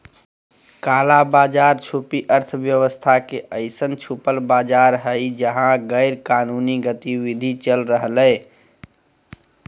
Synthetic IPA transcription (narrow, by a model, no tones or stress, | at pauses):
kalabad͡ʒaɾt͡ʃʰupiʔəɾt̪ʰbjəʋəst̪ʰakeʔəɪsənt͡ʃʰupəlbad͡ʒaɾɦəɪd͡ʒəɦãɡəɪɾkanuniɡət̪iʋid̪ʱit͡ʃəlɾəɦləɪ